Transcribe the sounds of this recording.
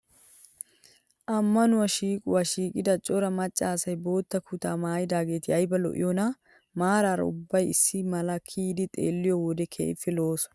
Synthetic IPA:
ʔɐmːɐnʊwɐʃiːkʼʊwaʃiːkʼɪd̪ɐt͡ʃʼɔɾɐmɐt͡ʃʼːaːsɐjbo̞ːt̪ːɐkʰʊt̪aːmaːjɪd̪aːɡe̞ːt̪ɪɐjbɐlɔ̰ʔɪ̰jɔnɐ | maːɾaːɾɐ̰ʊ̰bːɐjɪsːɪmɐlɐkʰiːd̪ɪt̪ʼe̞̰ːlːɪjɔwɔd̪ɛkʰḛːɪ̰fːɛlo̞ːsɔ̥

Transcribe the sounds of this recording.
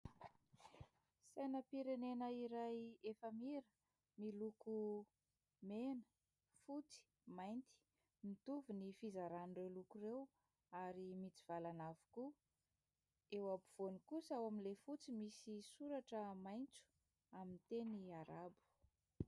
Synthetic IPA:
sajnəpiɾenenəiɾajefəmiɾə | miluku | menə̥ | fut͡si̥ | majnt̪i̥ | mit̪uvunifizaɾanirewlukurew | aɾimit͡si̥v̥alanavu̥ku | ewabuv̥onikusawamilefut͡simisisuɾaʈ͡ʂəmajnt͡su̥ | amint̪eniaɾabu̥

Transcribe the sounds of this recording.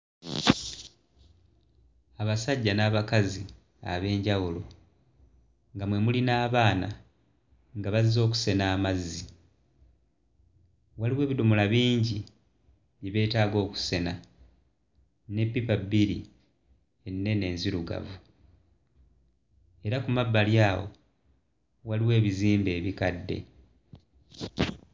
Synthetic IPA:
aβasaɟːanaːβakazi | a̰βe̞ːɲɟawulo̞ | ŋɡamwe̞mulinaːβaːna̰ | ŋɡaβazizo̞ːku̥se̞naːmazːi | waliwe̞ːβidumulaβiːɲɟi | βjeβe̞ːtaːɡo̞ːku̥se̞na | ne̞pːipabiɾḭ | e̞nːe̞ne̞ːnziɾuɡa̰vu | e̞ɾakumabːaljaːwo̞̰ | waliwe̞ːβiziːmbe̞ːβikadːe̞̰

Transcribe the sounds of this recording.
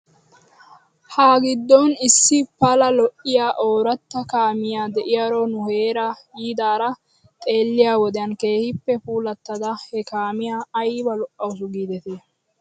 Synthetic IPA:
haːɡɪd̪ːɔnɪsːɪpɐlɐlɔʔːɪjaːʔoːɾɐt̪ːɐkaːmɪjaːd̪ɛʔɪjɐɾonʊheːɾɐjiːd̪aːɾɐ | t̪ʼe̞ːlːɪjaːwɔd̪ɛjɐnkeːhɪpːɛpuːlɐt̪ːɐd̪ɐhɛkaːmɪjaːjbɐlʊʔɐʊs̬ʊɡiːd̪ɛt̪eː

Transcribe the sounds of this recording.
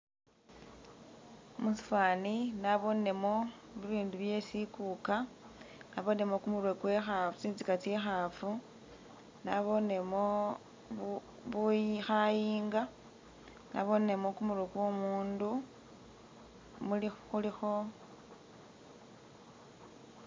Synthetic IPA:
musi̥fwaninaβo̞ne̞mo̞βiβiːnduβje̞sikuka | naβo̞ne̞mo̞kumurwekwe̞xat͡siːnzikat͡siexafu | naβo̞ne̞mo̞ | βujixajiːŋɡa | na̰βo̞ne̞mo̞kumuɾwekwomuːndu | mulixulixo̞

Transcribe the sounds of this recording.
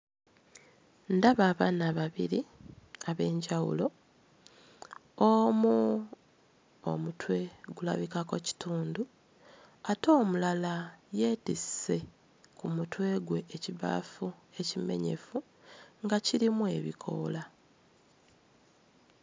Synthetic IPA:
ndaβaːβanaβaβḭɾiaβe̞ːɲɟawṵlo̞ | omu | o̰mutwe̞ɡula̰βikako̞ci̥tuːndu | ato̞ːmulalaje̞ːtise̞ | kumutwe̞ɡwe̞ːciβa̰ːfue̞cime̞̰ɲe̞̰fu | ŋɡaciɾimue̞βḭkʰo̞̰ːla

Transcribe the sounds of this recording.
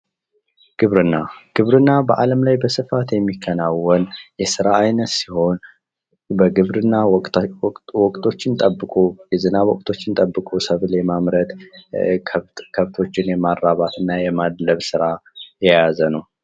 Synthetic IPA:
ɡ̥ɨβɾɨnːaɡ̥ɨβɾɨnːabəʔaləmlajbəsɨfat̪jɛmːikʰːənawːɔnjɛsɨɾaajnət̪siho̞n | bəɡɨβɾɨnːa | wɔkʼt̪ʼʰo̞t͡ʃːɪnt̪ʼəbːɨkʼojɛzɨnawɔkʼt̪ʰo̞t͡ʃːɪnt̪ʼəbːɨkʼosəβlajmamɾət̪ʰ | kʰəβt̪ʰo̞t͡ʃːɪnjɛmarːaβat̪ʰɨnːajɛmad̪ləβsɨɾajɛjazənəw

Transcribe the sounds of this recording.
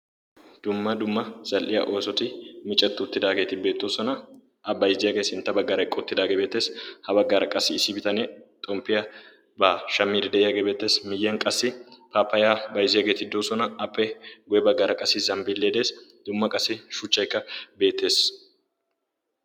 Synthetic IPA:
d̪̥ʊmːɐd̪ʊmːɐz̥ɐlʔɪjɐ̰ʔo̞ːsɔt̪ɪmɪt͡ʃʼːɛt̪ːʊʊt̪ːɪd̪aːɡeːt̪ɪbe̞ːt̪ːoːsɔnɐ | ɐbɐjɪzɪjɐɡe̞ːsɪnt̪ːɐbɐɡːaːɾɐjkʼːɐʊt̪ːɪd̪aːɡebe̞ːt̪ːe̞ːshɐbɐɡːaːɾɐkʼɐsːɪːsɪbɪt̪ɐnet̪ʼɔmpːɪjɐ | baːʃɐmːiːd̪ɪd̪ɛjɐɡebe̞ːt̪ːe̞ːsmɪjːɐŋkʼɐsːɪpaːpːɐjaːbɐjzɪjɐɡeːt̪ɪd̪oːsɔnɐɐpːɛɡʊjɛbɐɡːaːɾɐkʼɐsːɪzɐmbɪlːeːd̪e̞ːsd̪̥ʊmːɐkʼɐsːɪʃʊt͡ʃːɐjkːɐbe̞ːt̪ːe̞ːs

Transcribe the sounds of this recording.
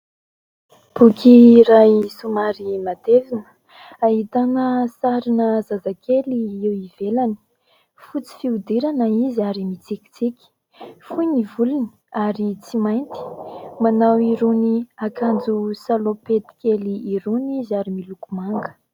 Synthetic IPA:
b̥ukiɾajsumaɾimad̪evinə̥ | aɦit̪anəsaɾinəzazakʰeliiwiv̥elani̥ | fut͡si̥fiud̪iɾanəiziaɾimit͡sikʲi̥t͡sikʲi̥ | fuɲivuluni̥ | aɾit͡simajnt̪i̥manawiɾuniakand͡zusalopet̪i̥kʲeliːɾunizaɾimilukumaŋɡə̥

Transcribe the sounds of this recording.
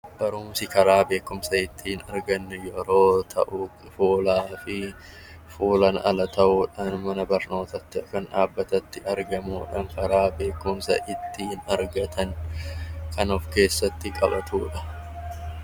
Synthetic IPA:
b̥ɐɾuːmsɪkɐɾaːbe̞ːkːʊmsɐʔɪt̪ːɪɪnɐɾɡɐnːjɔɾo̞ːt̪ʰɐ̰ʔu | fuːlaːfɪ | fuːlɐnɐ̰lɐt̪ʰɐʔuːᶑɐnmɐnɐbɐɾno̞ːt̪ɐt̪ːɪɐkɐnᶑaːbːɐt̪ɐt̪ːɪʔɐɾɡɐmuːᶑɐŋkɐɾaːbe̞ːkːʊmsɐ̰ʔɪt̪ːɪɪnɐɾɡɐt̪ʰɐŋ | kʰɐnʊfke̞ːsːɐt̪ːɪkʼɐ̰bɐt̪ʰuːᶑɐ

